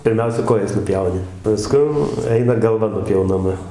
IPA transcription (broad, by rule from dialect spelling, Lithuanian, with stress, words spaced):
pʲɪrʲˈmʲɛʊsʲɛ ˈkoːjɛs nʊˈpʲjɛʊnʲɪ pɐˈskʊn ˈɛɪnɐ ɡɐlˠˈʋɐ nʊpʲjɛʊnɐˈmɐ